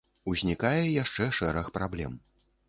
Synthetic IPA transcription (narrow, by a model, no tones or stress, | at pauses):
uzʲnʲikajɛjaʂt͡ʂɛʂɛɾɐxpɾablʲɛ̰m